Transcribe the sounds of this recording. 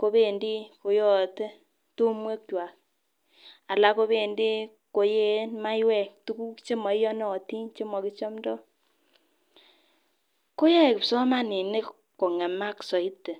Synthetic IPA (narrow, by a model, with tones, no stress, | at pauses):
ko˦βe˨ndi˦ko˨jɔ˦˨te˦ | tu˦mwe˦kt͡ʃwa˨k | a˨la˦ko˦βe˦˨ndi˦ | ko˨je˦ma˦i˦we˨ktu˦ku˦kt͡ʃe˦mɔ˨i˦jɔ˦nɔː˦˨ti˦nt͡ʃe˦mɔ˨ki˦t͡ʃɔ˦mdɔ˦ | ko˦je˦˨kpso˦ma˦ni˨ne˦ | ko˨ŋe˨ma˦kso˨i˦tːe˨